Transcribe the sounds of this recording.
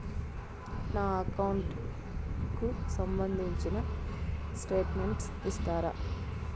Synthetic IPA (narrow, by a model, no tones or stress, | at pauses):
naːɐkɐwuɳʈ | kusɐmbɐnd̪ʱiɲt͡ʃinɐ | sʈeːʈmeɳʈsʋist̪aːɾɐ̰